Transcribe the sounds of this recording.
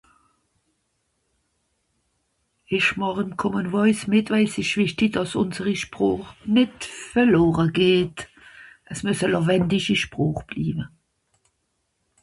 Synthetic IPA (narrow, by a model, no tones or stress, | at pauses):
ɪʃmɑʁɪmkʰɔmənvɔɪsmɪtvæɪsɪʃvɪʃtidɑsʊ̰nzəʁiʃpʁoːχnɪtfɛloːʁəɡeːt | ʔəsmøsəlovɛndiʃiʃpʁoːχb̥lḭːbə